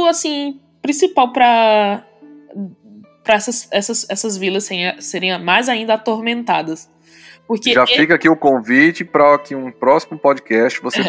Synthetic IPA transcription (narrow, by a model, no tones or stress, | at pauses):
ʊasĩ | pɾĩsipawpɾɐ | pɾɐɛsɐsɛsɐsɛsɐzvilɐseɾẽj̃seɾẽj̃majzaĩnd̪ɐat̪oɾmẽnt̪ad̪ɐs | poɾkeʒafikɐakiʊkõvit͡ʃɪpɾɐakiũpɾɔsimʊpɔd͡ʒikɛst͡ʃɪvose